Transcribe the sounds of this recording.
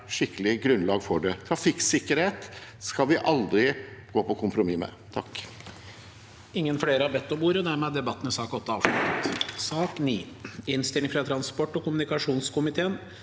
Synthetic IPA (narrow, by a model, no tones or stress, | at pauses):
ʂɪkːəlɪɡɾʉnlɑːɡfɔɖɛt̪ʰɾɑfɪksɪkːəɾheːt̪skɑlʋɪʔɑld̪ɾɪɡ̥oːpʰɔkʰʊmpɾʊmimɛ̰t̪ʰɑk | ɪŋːənfɽeːɾəhɑɾbɛt̪ːɔmuːɾəd̪æɾmeɛd̪ɛbɑt̪ːn̩ɪsɑːkɔt̪ːəɑːʋʂlʉt̪ət̪sɑːkniː | ɪnst̪ɪlɪŋfɾɑt̪ʰɾɑnspɔʈːɔkʊmʉnɪkɑʂuːnskʊmɪt̪ʰeːən